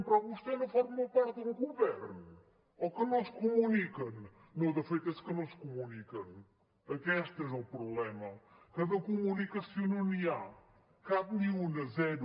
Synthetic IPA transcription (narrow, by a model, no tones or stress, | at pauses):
mpɾɔvuʃt̪enɐ̃w̃fɔɾmmɐ̃wpaɾt̪d̪ũɡuvɛɾnu | ɔkɨnõskumunikɐnː | ɐ̃wd̪ɐfejt̪ɐskɨnɐ̃w̃skumunikɐ̃n | ɐkɛʃt̪ɛzɐpɾuβlɛmɐ | kɐðɐkumunikɐsjonɐ̃nia | kaβnĩunɐzɛɾu